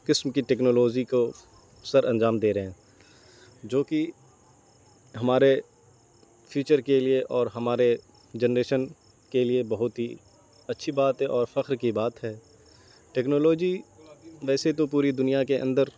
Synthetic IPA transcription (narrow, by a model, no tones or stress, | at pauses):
kɪsmkiʈɛːknoːloːd͡ʒiko | sɐɾʔɐ̃nd͡ʒaːmd̪eːɾəɦɛ̃ː | d͡ʒoːki | ɦɐmaːɾe | fʰiːt͡ʃəɾkelieʔɔːɾɦɐmaːɾe | d͡ʒɛnɾeːʃən | keliebɐɦʊt̪ɦi | ɐtːʃʰibaːt̪ɦɛʔɔːɾfɐxɾkibaːt̪ɦɛː | ʈɛːknoːloːd͡ʒi | ʋɛːset̪op̬uːɾid̪ʊnijakeʔə̰̃nd̪əɾ